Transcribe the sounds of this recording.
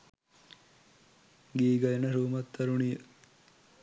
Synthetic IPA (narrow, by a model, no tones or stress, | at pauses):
ɡiːɡɐjenəɾuːmɐt̪ːɐɾunijə